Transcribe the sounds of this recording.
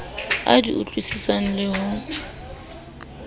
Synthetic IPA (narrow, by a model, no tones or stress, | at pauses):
a̰diʔʊt͡ɬʼwisisan̩lɪɦʊ